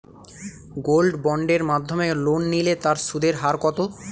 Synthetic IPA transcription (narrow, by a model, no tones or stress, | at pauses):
ɡolɖbɔɳɖeɾmad̪ʱːomelonːilet̪aɾʃud̪eɾɦaɾkɔt̪o